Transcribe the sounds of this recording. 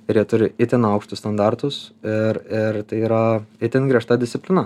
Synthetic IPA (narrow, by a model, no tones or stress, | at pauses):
ɪɾjiɛt̪ʊɾʲɪɪt̪ʲɪnɐʊkʃt̪ʊst̪ɐnd̪ɑɾt̪ʊsɪɾɪɾt̪ɐɪiːɾɐɪt̪ʲɪnɡɾʲiɛʃt̪ɐd̪ʲɪst̪sʲɪpʲlʲɪnɐ